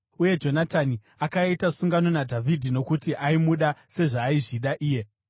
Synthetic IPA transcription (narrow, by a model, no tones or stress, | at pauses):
uje̞d͡ʒo̞natani | akaitasuŋɡano̞nadʱavʱidʱino̞kutiʔaimuɗase̞ʐaːiʐiɗaʔiːje̞